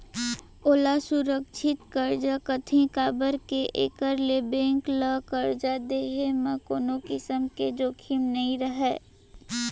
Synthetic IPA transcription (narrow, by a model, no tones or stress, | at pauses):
oːlasuɾəkʃʰɪt̪kəɾd͡ʒakət̪ʰẽkaːbəɾkeʔḛːkəɾlebẽːŋkləkəɾd͡ʒad̪eːɦemə̃koːnokɪsəmked͡ʒoːkʰimnɐĩɾəɦɛː